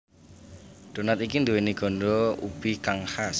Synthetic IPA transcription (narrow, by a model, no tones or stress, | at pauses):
ɖ̪̥o̤nat̪ikind̪uweniɡ̥ɔ̤nɖɔub̥ikaŋhas